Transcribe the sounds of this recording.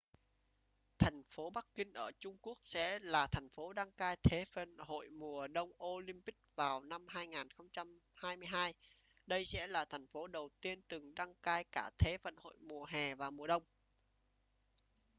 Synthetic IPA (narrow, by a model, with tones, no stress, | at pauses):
t̪ʰɛ˨˩jŋ̟fo˨˦ɓa˦˥kːï˧ŋ̟ʔəː˧˩t͡ɕʊ˧ŋ͡mku˦˥ək̚sɛ̰˧˥laː˨˩t̪ʰɛ˨˩ŋ̟fo˨˦ɗa˧ŋkaː˧jt̪ʰe˨˦fə̰˧˨nho̰˧˨jmu˨˩əɗə˧wŋ͡mʔo˧li˧mpï˦˥k̚vaː˨˩wna˧mhaː˧jŋaː˨˩nxə˧wŋ͡mt͡ɕa˧m | haː˧jmɨ˧əjɦaː˧j | ɗə˧jsɛ̰˧˥laː˨˩t̪ʰɛ˨˩jŋ̟fo˨˦ɗə˨˩wt̪i˧ənt̪ɨ˨˩ŋɗa˧ŋkaː˧jkaː˧˩t̪ʰe˨˦fə̰˧˨nho̰˧˨jmu˨˩əɦɛ˨˩vaː˨˩mu˨˩əɗə˧wŋ͡m